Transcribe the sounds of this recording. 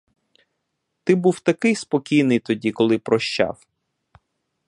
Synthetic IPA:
t̪ɪbuwt̪ɐkɪjspɔkʲijnɪjt̪ɔdʲikɔlˠɪpɾɔʃt͡ʃa̰w

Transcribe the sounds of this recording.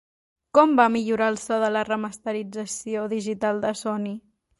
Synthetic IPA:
kɔmbamiʎuɾaəlˠsɔðələrəməst̪əɾid͡zəsioðiʒit̪alˠd̪əsɔni

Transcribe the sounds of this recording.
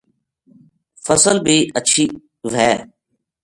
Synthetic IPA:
fəsəlbʱiːʔəʃʰiː | ʋɛː

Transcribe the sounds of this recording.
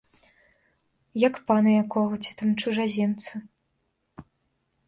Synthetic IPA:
jɐkpanɐjakɔɣɐt͡sʲit̪amt͡ʂuʐazʲɛnt̪sɐ

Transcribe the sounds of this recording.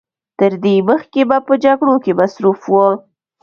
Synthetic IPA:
t̪əɾd̪eməxkebapəd͡ʒaɡɽokemasɾufwəl

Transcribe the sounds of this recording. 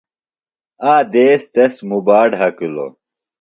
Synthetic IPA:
aːd̪eːst̪ɐsmubaːɖɦɐkulo̰

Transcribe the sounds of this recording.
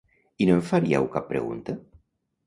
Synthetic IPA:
inoɱfaɾiɛ̰wkapːɾḛɣṵnt̪ə

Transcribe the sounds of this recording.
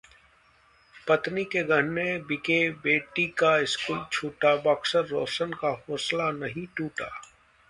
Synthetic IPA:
pɐt̪nikeɡʱəɽnebɪkebeːʈikaɪskuːlt͡ʃʰuːʈabɐksəɾːoːsənkahoːslanɐɦĩʈuːʈa̰ː

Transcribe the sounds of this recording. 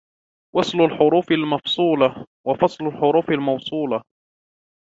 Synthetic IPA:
wɑsˤlʊlħʊɾuːfalmɑfsˤuːlɑ | wafɑsˤlʊlħʊɾuːfalmɑwsˤuːlɑ

